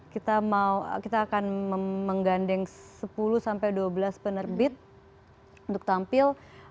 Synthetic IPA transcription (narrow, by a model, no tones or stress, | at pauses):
kit̪amaukit̪aːkanəməŋɡandɛŋsəpulusampajduabəlaspənərbɪt̪̚ | unt̪ʊk̚t̪ampɪl